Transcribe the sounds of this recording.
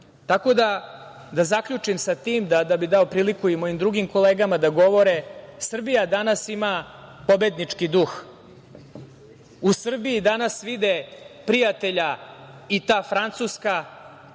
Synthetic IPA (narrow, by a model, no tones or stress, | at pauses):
t̪ako̞d̪a | d̪azakʎut͡ʂimsat̪iːmd̪ad̪abid̪ao̞pɾiːlikuimo̞imd̪ɾuɡimko̞leːɡamad̪aɡo̞ʋo̞ɾesr̩bijad̪anasima | po̞bed̪nit͡ʂkid̪ux | usr̩biːd̪anasʋid̪epɾijat̪e̞ʎa | it̪aːfɾant̪suska